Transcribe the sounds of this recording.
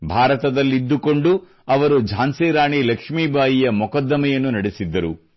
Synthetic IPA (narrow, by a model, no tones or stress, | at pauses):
bʱaːɾɐt̪ɐd̪ɐlːid̪ːukoɳɖu | ɐʋɐɾud͡ʒʱaːnsɛːɾaːɳilɐkʂmiːbʱaːjijɐmukɐd̪ːɐmɐjɐnːunɐɽesid̪ːɐɾu